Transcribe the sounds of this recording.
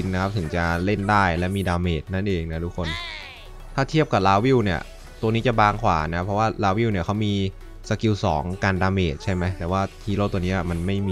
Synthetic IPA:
i˧nna˦˥kʰa˦˥p̚t̪ʰɯ˩˦ŋt͡ɕa˨˩le˥˩ndaː˥˩jlɛ˦˥miː˧daː˧meː˨˩t̪̚na˥˩nʔeː˧ŋna˦˥t̪ʰu˦˥kʰːo˧n | t̪ʰaː˥˩t̪ʰi˥˩əp̚ka˨˩laː˧˥wi˥˩wni˥˩ɐ | t̪u˧ŋniː˦˥t͡ɕa˨˩baː˧ŋkʰwa̰ː˩˦na˦˥pʰɾɔ˦˥waː˥˩laː˧˦˥wi˥˩wni˥˩kʰa˦˥wmiː˧ | sa˧˥ki˧wsɔː˩˦ŋkaː˧ndaː˧meː˨˩t̪̚t͡ɕʰa˥˩jma˦˥jt̪ɛː˨˩waː˥˩t̪ʰiː˧˦loː˥˩t̪u˧niː˦˥ʔa˨˩ma˧nma˥˩jmiː˧

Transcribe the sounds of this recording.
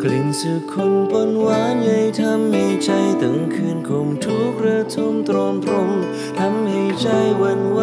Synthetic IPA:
kli˨˩nsɯ˨˩kʰːo˧npo˧nwaː˦˥ja˧jt̪ʰa˧˥mːi˧˩t͡ɕa˧jt̪ɯ˨˩˦ŋkʰɯː˧nkʰo˧˩mt̪ʰu˧˥k̚ɾa˧t̪ʰo˧mt̪ɾo˧mt̪ɾo˧m | t̪ʰa˧˥mha˧˩jt͡ɕa˧˩jwa˧nwa˧

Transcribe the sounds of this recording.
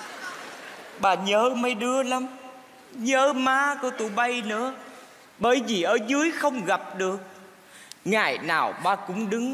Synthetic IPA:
ɓaː˨˩ɲəː˨˦mə˧˦jɗɨ˧əla˨˦m | ɲəː˨˦maː˧˥kɔ˧˦t̪u˧˩˦ɓə˧jnɨ̰˧˥ə | ɓəː˨˩jvi˨˩ʔəː˧˩zɨ˨˦əjxə˧wŋ͡mɣa˨˩p̚ɗɨ˨˩ək̚ | ŋaː˨˩jnaː˨˩wɓaː˧˩kʊ̰˧˥ŋ͡mɗɨ˨˦ŋ

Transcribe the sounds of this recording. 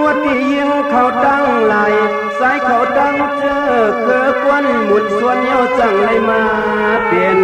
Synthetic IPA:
u˧˥ət̪̚t̪iː˧˩ji˧˥ŋkʰa˨˩wt̪a˧˩˨ŋla˨˦j | sa˧˥˦jkʰa˨˩wt̪a˧˥˨ŋ | t͡ɕɤː˧˥˨kʰɤː˧˦kɔ˧˨nmu˨˩t̪̚su˧˥ət̪̚ɲɔː˧˩˨t͡ɕa˧˩ŋla˧˩˨jmaː˧ | a˧˦pe˨˩n

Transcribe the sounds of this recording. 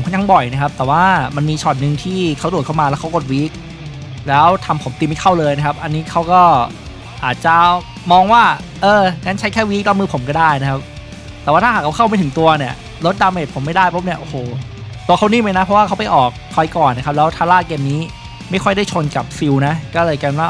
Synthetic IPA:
o˩˦kʰɔ˦˥˩ɲa˧˩ŋbɔ˨˩jna˦˥kʰa˦˥p̚t̪ɛː˨˩waː˥˩ma˧nmiː˧t͡ɕʰɔ˨˩t̪̚nɯ˨˧ŋt̪ʰiː˥˩kʰa˦˥wdu˨˩t̚kʰa˥˩maː˧lɛː˦˥wkʰa˦˥wko˧˩t̪̚wiː˦˥k̚ | lɛː˦˥wt̪ʰa˧mpʰo˩˦mt̪i˧ma˥˩jkʰa˥˩wlɤː˧jna˥kʰa˦˥p̚ʔa˧nːiː˦˥kʰa˦˥wkɔː˥˩ | ʔaː˨˩t̪̚t͡ɕa˨˩ | mɔː˧ŋwaː˥˩ʔɤː˧ŋaː˦˥nt͡ɕʰa˦˥jkʰɛː˥˩wiː˦˥k̚la˦˧˥mɯː˧˩pʰo˩˦mkɔː˥˩daː˥˩jna˦˥kʰa˦˥p̚ | t̪ɛː˨˩waː˥˩aː˥˩aː˨˩kʰa˧˥kʰa˥˩ma˧˥˩t̪ʰɯ˩˦ŋt̪u˧ɐni˥˩ɐ | lo˦˥t̪̚daː˧wmeː˨˩t̪̚pʰo˩˦mːa˥˩jdaː˥˩jpʰo˦˥p̚ni˥˩ɐʔoː˨˩hoː˨˩t̪u˧ɐkʰa˥˩wniː˥˩ma˧˥jna˦˥pʰɾɔ˦˥waː˥kʰa˦˥wpa˧jʔɔː˨˩k̚kʰɔː˧jkɔː˨˩nːa˦˥kʰa˦˥p̚lɛː˦˥wt̪ʰaː˧˩laː˥˩keː˧mniː˦˥ | ma˥˩jkʰɔ˥˩jda˥˩jt͡ɕʰo˧nka˨˩p̚fi˧wna˦˥kɔː˥˩lɤː˧jkɛː˧nwaː˥˩

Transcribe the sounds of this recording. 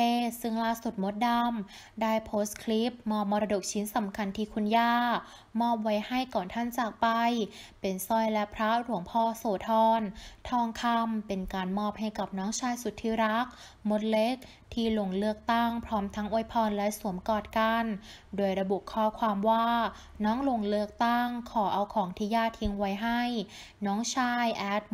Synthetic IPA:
eː˧˥˩sɯ˥˩ŋlaː˥˩su˨˩t̪̚mo˦˥t̪̚da˧m | daː˥˩jpʰoː˦˥st̪kʰli˦˥p̚mɔː˧˩p̚mɔː˧ɾa˧do˨˩k̚t͡ɕʰi˦˥nsa˩˦mkʰa˧˩nt̪ʰiː˧˩kʰu˧njaː˥˩ | mɔː˥˩p̚wa˦˥jha˥˩jkɔː˨˩nt̪ʰa˥˩nt͡ɕaː˨˩k̚pa˧jpe˨˩nsɔ˧˩jlɛ˦˥pʰɾa˦˥ɾu˨˩˦əŋpʰɔː˧˩soː˨˩t̪ʰɔː˧nt̪ʰɔː˧ŋkʰa˧mpe˨˩nkaː˨˩nmɔː˧˥˩p̚ha˧˥˩jka˨˩p̚nɔː˦˥ŋt͡ɕʰaː˧jsu˨˩t̪ʰːiː˧˥˩ɾa˦˥k̚ | mo˧˥t̪̚le˦˥k̚ | t̪ʰiː˧˩lo˧˩ŋlɯ˥˩ək̚t̪a˥˩ŋpʰɾɔː˦˥mt̪ʰa˦˥ŋʔu˧˩jpʰɔː˧nlɛ˦˥su˩˦əmkɔː˨˩t̪̚ka˧n | doː˧˩jɾa˧bu˨˩ʔkʰɔː˥˩kʰwaː˧mwaː˥˩ | nɔː˦˥ŋlo˧˩ŋlɯ˥˩ək̚t̪a˥˩ŋkʰɔː˩˦ʔa˧wkʰɔː˩˦ŋt̪ʰiː˧jaː˥˩t̪ʰi˧ŋwa˦˥jɦa˥˩j | nɔː˦˥ŋt͡ɕʰaː˧˥˩jʔɛː˦˥t̪̚

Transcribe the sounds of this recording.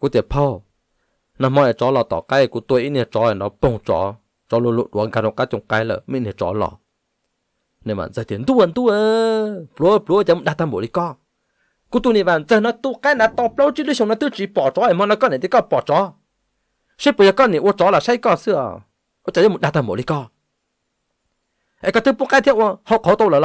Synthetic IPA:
ku˧˦t̪ə˨pʰə˧w | nã˧mɔ̃˧e˨t͡ʃɔː˨˦lɔ˨t̪ɔ̰˨ka˦˨ku˧t̪e˧ʔi˦ne˧˨t͡ʃɔ˨˦e˨dɔ˨˧˦po˧˨ŋt͡ʃɔ̰ː˨˦ | t͡ʃɔ˨˦lo˧lo˧ʔɗu˨ə˨˦ɡa˧ɾo˧˨ka˦t̪o˧˨ŋka˧˦jlə̰˧˨mĩ˦˧˨nẽ˨t͡ʃɔ̰ː˨˦lɔ̰˧˨ | nẽ˨va̰˨nd͡zə˨t̪i˨nd̪u˦ə˨nd̪u˦ə˧plo˨˦˧plu˨˦ta˧˦mu˧˨ɗa˧t̪a˧mbo˨li˧˦kɔ˦˨ | ku˧˦t̪u˧ni˧˨va˨nzə˨˧˨nɔ˧˦t̪u˧ka˦na˨˧˦t̪ɔ˧plo˦wt͡ʃi˦lɨ˧˦so˨ŋnɔ˧˦t̪ɨ˦t͡ʃi˨˦pɔ˨t͡ʃɔ˨˦e˨mə˧˦nɔ˧˦kɔ˦˨ne˨t̪i˧˦kɔ˦˧˨pɔ˨t͡ʃɔ˨˦ | se˦pə˨ja˧˨kɔ˧˦˨ne˨ʔu˧ə˧t͡ʃɔ˨˦la˨sa˦jkɔ˧˨sɨ˧ə˨ | ʔo˧˦t͡ɕa˨˧˨ja˦mu˧˨ɗa˧t̪a˧mbo̰˨li˧˦kɔ˧˨ | ʔɛ˧˨kɔ˧t̪ɨ˦pu˧˨ka˧˦t̪ʰi˧˦ʔwho˧˦wkɔ˨˦t̪o˧wlə˨˧

